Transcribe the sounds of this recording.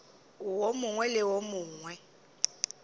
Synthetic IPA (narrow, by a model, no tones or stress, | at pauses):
ʊwomʊŋwɛlɪwomʊːŋwɛ